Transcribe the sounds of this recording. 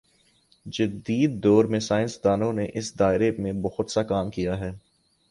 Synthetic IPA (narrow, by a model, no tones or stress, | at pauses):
d͡ʒɐd̪iːd̪ːɔːɾmẽsaːɪnsd̪aːnõneʔɪsd̪aːɪɾemẽbɐhʊt̪sakaːmkijaɦɛː